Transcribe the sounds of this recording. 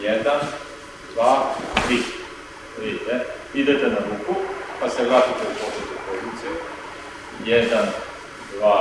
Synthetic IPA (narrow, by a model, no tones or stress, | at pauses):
jed̪an | d̪ʋaːt̪ɾiː | ɾid̪it̪ɛ | id̪et̪ɛnaɾuːkupasɛɡlat̪it̪eupobɾed̪upolut̪siju | jɛd̪an | d̪ʋaː